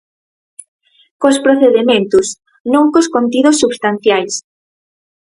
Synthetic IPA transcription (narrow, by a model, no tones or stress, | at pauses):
kospɾoθeðemẽnt̪us | nõŋkoskont̪̬iðosːuβst̪an̟θjajs